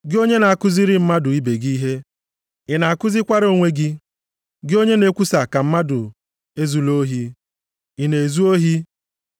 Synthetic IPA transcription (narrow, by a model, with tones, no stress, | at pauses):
ɡɪ˦o˦ɲe˦na˨a˨kʊ˦zɪ˦ɾɪ˦m̩˦ma˦dʊ˨i˦be˨ɡi˦ɦe˦ | ɪ˨na˨a˨kʊ˦zɪ˦kʷa˦ɾo˦˨ŋʷe˦ɡɪ˦ | ɡɪ˦o˦ɲe˦ne˦kʷu˦sa˨ka˨m̩˦ma˦dʊ˨ | e˦zu˨lo˦ɦi˦ | ɪ˨ne˨zu˦o˦ɦi˦